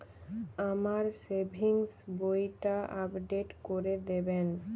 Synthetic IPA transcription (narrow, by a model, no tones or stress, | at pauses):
amaɾsebʱiŋsbojʈaʔapɖeʈkoɾed̪eben